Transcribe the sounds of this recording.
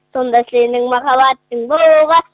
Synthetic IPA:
so̞nd̪ɑslenɪŋmɑχɑβɑt̪ːəŋboluʁɑ

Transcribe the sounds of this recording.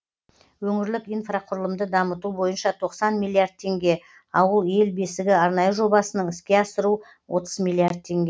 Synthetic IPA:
wɵŋɪɾlɪkijnfraqʰʊɾəlˠəmd̪əd̪ɑmət̪ubo̞jənʃɑt̪ʰo̞qsɑnmilˠːiard̪̚t̪ʰe̞ŋɡʲe̞ | ɑwəlˠe̞lbe̞sɪɡʲɪɑɾnɑjəʒo̞bɑsənəɴɪskʲe̞ɑsəɾu | wʔo̞t̪əzmʲilˠiard̪̚t̪ʰe̞ŋɡʲe

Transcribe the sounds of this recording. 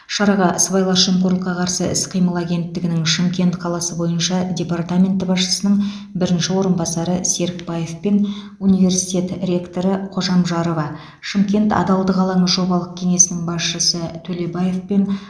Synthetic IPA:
ʃɑɾɑʁɑsvɑjlˠɑʃemqoɾlˠəqːɑqʰɑɾsəɪsqʰijməlˠaɡʲe̞nt̪ːɪɡʲɪnɪŋʃɪmkʲe̞nt̪qʰɑlˠɑsəbo̞jənʃɑdʲe̞part̪amʲe̞nt̪ːəbɑsʃə̥sənəɴ | bɪɾɪnʃɪwo̞ɾənbɑsɑɾəse̞ɾkbaje̞fpen | unijve̞ɾsit̪ʲe̞t̪rʲe̞kt̪o̞ɾəqʰo̞ʒɑmʒɑɾovɑ | ʃɪmkʲe̞nt̪ɑ̰d̪ɑlˠd̪əʁɑlˠɑɴəʒo̞bɑlˠəq̚kʲʰe̞ŋe̞sɪnɪŋbɑsʃəsət̪ʰɵle̞baje̞fpe̞n

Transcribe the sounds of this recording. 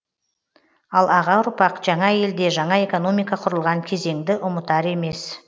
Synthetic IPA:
ɑlˠɑʁɑʊɾpɑqʒ̥ɑɴɑje̞ld̪e̞ʒɑɴɑe̞ko̞no̞mijkɑqʰʊɾəlˠʁɑŋkʲʰe̞ze̞ŋd̪ɪʔʊmət̪ɑɾe̞me̞s

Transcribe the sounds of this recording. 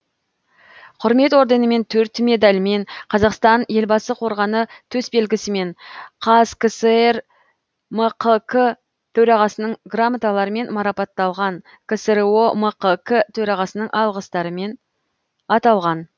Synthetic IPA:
qʰʊɾme̞t̪wo̞ɾd̪enəme̞nt̪ʰɵɾt̪me̞d̪ɑlʲɪme̞ɴqʰɑzɑqst̪ɑnje̞lbɑsəqʰo̞ɾʁɑnət̪ʰɵsbe̞lɡʲɪsɪme̞ɴqʰɑzkəsəer | məqʰəkʰə | t̪ʰɵɾɑʁɑsənəɴɡramat̪alˠɑɾəme̞nmɑɾɑpɑt̪ːɑlˠʁɑn | kʰəsəɾoməqəkət̪ʰɵɾɑʁɑsənəɴʔɑlˠʁəst̪ɑɾəme̞n | ɑt̪ɑlˠʁɑn

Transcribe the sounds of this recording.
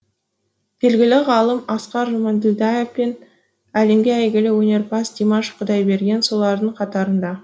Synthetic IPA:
b̥e̞lɡʲɪlɪʁɑlˠəmɑsqɑɾʒomɑnd̪ɪld̪ɑjefpen | æle̞mɡʲeæjɡʲɪlɪwɵne̞ɾpɑsd̪ʲimɑʃqʰʊd̪ɑjbe̞ɾɡʲe̞nso̞lˠɑɾd̪əɴqʰɑt̪ɑɾənd̪ɑ

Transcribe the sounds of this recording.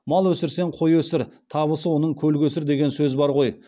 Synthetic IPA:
mɑlˠwɵsɪɾse̞ɴqʰo̞jwɵsɪɾt̪ʰɑβəsəwo̞nəɴkʲʰɵlɡʲwɵsɪɾd̪e̞ɡʲe̞nsɵzbɑɾʁo̞j

